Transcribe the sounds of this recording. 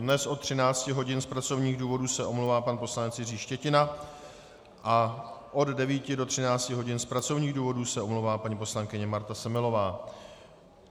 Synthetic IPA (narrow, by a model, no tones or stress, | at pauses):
dnɛsʔot̪ːr̝̥ɪnaːt͡scɪɦo̞ɟɪnspɾat͡so̞vɲiːɣduːvo̞duːsɛʔomlowvaːpanpo̞slanɛt͡sjɪriːʃcɛcɪna | ʔaʔo̞ddɛviːcɪdo̞t̪r̥ɪnaːt͡scɪɦo̞ɟɪnspɾat͡so̞vɲiːɣduːvo̞duːsɛʔo̞mlowvaːpaɲipo̞slaŋkɪɲɛmaɾt̪asɛmɪlo̞vaː